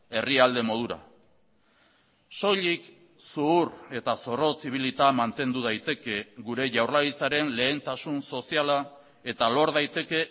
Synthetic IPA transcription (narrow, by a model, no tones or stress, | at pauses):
e̞riald̪e̞mo̞ð̞uɾa̰ | so̞ʎik | suure̞t̪aso̞ro̞t͡siβ̞ilit̪amant̪e̞nd̪uð̞ajt̪e̞ke̞ɡuɾe̞ʝawrlaɣit͡saɾe̞nle̞ːnt̪asunso̞siala | e̞t̪alo̞ɾðajt̪e̞ke̞